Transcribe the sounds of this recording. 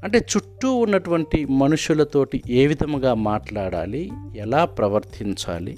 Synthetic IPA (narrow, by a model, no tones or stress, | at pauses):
ɐɳʈe̞ːt͡ʃuʈːuːnːɐʈuʋɐɳʈimɐnuʂjulɐt̪o̞ːʈiʔeːʋid̪ʱɐmɡaːmaːʈlaːɽa̰ːliɛlaːpɾɐʋɐɾt̪ʰiɲt͡ʃa̰ːlḭ